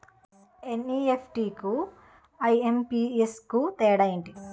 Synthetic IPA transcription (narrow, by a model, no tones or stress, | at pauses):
eniepʰʈiku | ɐjempiːeskut̪ɛːɽɐjiɳʈi